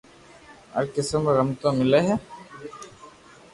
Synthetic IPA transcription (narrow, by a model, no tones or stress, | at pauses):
ɐ̰ɾkɪsəməɾɐmt̪õmɪleɦɛ